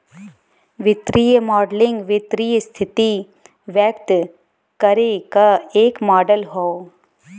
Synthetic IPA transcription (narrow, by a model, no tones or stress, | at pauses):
ʋɪt̪ɾiːjəmɔːɖlɪ̃ŋɡʋɪt̪ɾiːjəst̪ʰɪt̪i | ʋjək̚t̪ | kɐɾekaeːkmaːɖəlɦoo